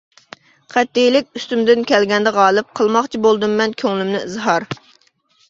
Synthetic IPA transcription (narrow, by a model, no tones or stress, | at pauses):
qʰæt̪ːejlɪk̚ʲyst̪ymd̪ɪnkʲʰɛlɡʲɛnd̪ɛʁɑːlˠɨp̚qʰəlˠmɑχt͡ʃʰibolˠd̪ɨmːɛnkʲʰøŋlymnɪɨzɦɑɾ